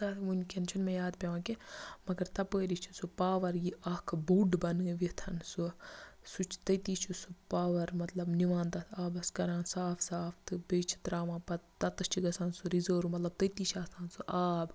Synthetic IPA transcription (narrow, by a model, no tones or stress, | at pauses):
saːt̪ʰmunʲkʰent͡ʃʰunmẽjaːd̪pʲeʋãːkemɐɡɐɾt̪ɐpəːɾit͡ʃʰusupaːʋɐɾjiʔɐkʰbuːɖbɐnɨʋit̪ʰɐnsusut͡ʃʰt̪ɐt̪iːt͡ʃʰusupaːʋɐɾmɐt̪lɐbniʋaːnt̪ɐt̪ʰaːbɐskɐɾaːnsaːfsaːft̪ɨbeːt͡ʃʰi̥t̪ɾaːmãːpɐt̪ɐt̪ɨt͡ʃʰiɡɐsaːnsuɾizoːɾumɐt̪lɐb̚t̪ɐt̪iːt͡ʃʰaːst̪aːnsuʔaːb